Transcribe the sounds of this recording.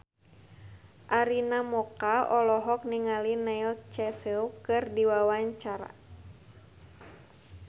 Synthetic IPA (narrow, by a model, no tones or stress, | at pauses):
ʔaɾinamɔkaɔlɔɦɔk̚niŋalinailt͡ʃɛsɛukɨrdiwawaɲt͡ʃaɾa̰